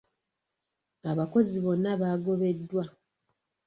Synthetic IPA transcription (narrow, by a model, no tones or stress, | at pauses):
aβako̞ziβo̞nːaβaːɡo̞βe̞dːwa